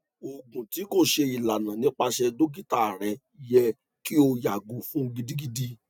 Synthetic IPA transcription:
o˨ɡũ˨ti˨˦ko˦˨ʃe˧i˨la˨nã˨nĩ˨˦k͡pa˧ʃɛ˧do˦ɡi˦ta˦˨ɾɛ˨ | i˦jɛ˧ | ki˦o˧ja˨ɡo˨fũ˨˦ɡi˧di˦ɡi˧di˧

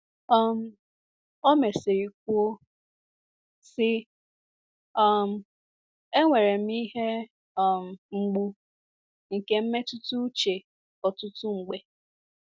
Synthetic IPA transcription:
ɔ˦m̩˦ | o˦me˨se˨ɾi˨k̚ʷo˦ | sɪ˦ | ɔ˦m̩˦ | e˦ŋʷe˨ɾe˨m̩˦i˦ɦe˦˨ | m̩˨ŋ͡m̩˨ɡ͡bu˦ | ŋ̩˨ke˦m̩˦me˦tʊ˦tu˦t͡ʃe˨ | ɔ˨tʊ˦tu˦ŋ͡m̩˨ɡ͡be˦

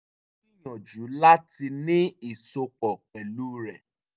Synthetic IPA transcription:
i˦jɔ̃˨d͡ʒu˨˦la˦ti˧nĩ˦i˦˨so˧k͡pɔ˨k͡pɛ˨lu˦ɾɛ˨

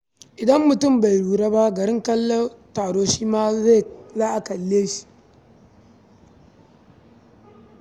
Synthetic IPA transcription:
ʔɪ˨dɐ˦mːʊ˨tʊ˦˨mba˨jɽuː˨ɾa˦ba˦ɡɐ˨ɾɪ˦ŋkɐ˦lːo˦taː˨ɽoː˦ʃiː˦maː˦za˦˨zaː˦ʔa˨kɐ˨lːeː˦ʃi̥˦

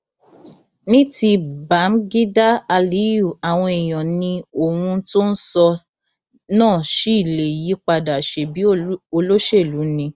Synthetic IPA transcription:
nĩ˦ti˧ba˨˦m̩˦ɡi˦da˦a˧li˨˦ju˦˨a˨w̃ɔ̃˧e˨j̃ɔ̃˨nĩ˧o˨hũ˧to˦n̩˦sɔ˧ | nãː˦˨ʃi˦i˦˨le˨ji˨˦k͡pa˧da˨ʃe˧bi˨˦o˧lo˦ʃe˦˨lu˨˦nĩ˧

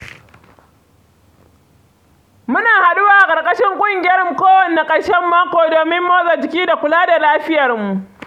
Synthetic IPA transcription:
mʊ˦naː˨ha˨ɗu˦waː˦˨ʔa˨kʼɐ˨rkʼɐ˦ʃɪ˦ŋkʷʼʊ˦ŋɡʲɪ˦jɐ˦ɾmu˨koː˦wɐ˨nːe˨kʼɐ˦ɽʃɛ˦mːaː˦kʷoː˨doː˨mɪ˦mːoː˦zɐ˨t͡ʃɪ˨˦kʲiː˦da˨kʷʊ˨laː˦da˨laː˦ɸɪ˦jɐ˨rmu˨ʔ

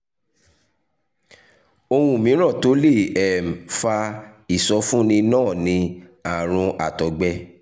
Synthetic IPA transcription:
o˧w̃ũ˦˨mĩ˨˦ɾ̃ã˦˨to˨˦le˦˨ɛ˨m̩˨fa˧i˦˨sɔ˨˦fũ˦nĩ˧nãː˦˨nĩ˧a˦˨ɾ̃ũ˧ʔa˨tɔ˨ɡ͡bɛ˧

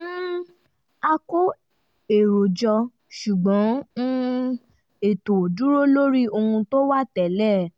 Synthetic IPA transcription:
a˧ko˦ | e˨ɾo˨d͡ʒɔ˧ | ʃu˨ɡ͡bɔ̃˨˦nũ˦ | e˨to˨du˦ɾo˦lo˦ɾi˦o˧ũ˧to˦wa˦tɛ˨lɛ˦˨

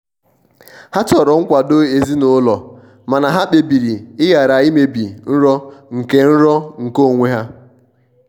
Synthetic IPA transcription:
ha˦tɔ˨ɾɔ˨ŋ̩˦kʷa˨do˦e˨zi˦no˦lɔ˨ | ma˨na˨ɦa˦k͡pe˨bi˨ɾi˨ɪ˦ja˨ɾa˨i˦me˦bi˨n̩˦ɾɔ˦ŋ̩˨ke˨n̩˦ɾɔ˦ŋ̩˨ko˦˨ŋʷe˦ɦa˦

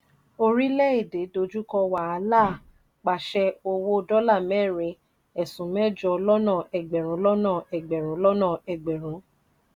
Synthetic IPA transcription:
o˧ɾi˦lɛ˦e˦˨de˨˦do˧d͡ʒu˦kɔ˧wa˨a˧˦la˦˨ | k͡pa˨ʃɛ˧o˧wo˦dɔ˦la˦˨mɛ̃˦˨ɾe˨˧˦ | ɛ˨sũ˨˦mɛ̃˦˨d͡ʒɔ˧lɔ˦nã˦˨ɛ˨ɡ͡bɛ˨ɾ̃ũ˨˦lɔ˦nã˦˨ɛ˨ɡ͡bɛ˨ɾ̃ũ˨˦lɔ˦nã˦˨ɛ˨ɡ͡bɛ˨ɾ̃ũ˨˦

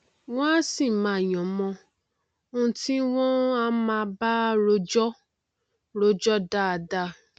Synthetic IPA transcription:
w̃ɔ̃˦a˦si˦˨mã˨jɔ̃˨mɔ̃˧ | õ˧˦˧ti˦w̃ɔ̃˦a˦mã˧˦ba˦ɾo˦d͡ʒɔ˦ | ɾo˦d͡ʒɔ˦da˦a˨da˦

